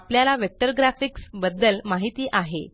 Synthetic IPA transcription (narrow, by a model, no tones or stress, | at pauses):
pljalaʋek̚ʈəɾɡɾafiksbəd̪ːəlmaɦit̪iːʔaɦḛ